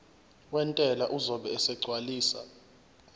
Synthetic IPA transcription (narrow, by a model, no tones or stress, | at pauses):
wɛntʼɛlaʔuzɔɓɛːsɛɡ͡ǀʱwaliːsa̰